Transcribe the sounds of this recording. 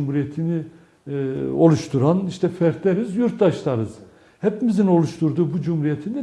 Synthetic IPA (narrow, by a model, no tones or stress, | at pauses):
mhuɾijet̪ʰini | o̞lˠuʃt̪ʰuɾaniʃt̪ʰɛfæɾt̪lʲeɾizjuɾt̪d̪aʃlˠaɾɯz̥ | hɛpimizino̞lˠuʃt̪ʰuɾd̪uːbud͡ʒumhuɾijet̪ʰind̪ɛ